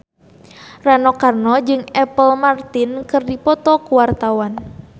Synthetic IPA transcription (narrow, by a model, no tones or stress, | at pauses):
ranɔkarnɔd͡ʒɨŋɛpəlmart̪inkɨrdipɔt̪ɔkuwart̪awan